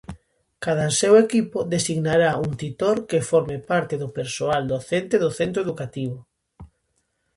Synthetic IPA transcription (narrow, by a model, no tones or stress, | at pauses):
kað̞ansewekipʊðesiɣnaɾauŋt̪it̪oɾkefɔɾmepaɾt̪eðʊpeɾsoald̪oθent̪eðʊθent̪ɾoeðukat̪iβ̞ʊ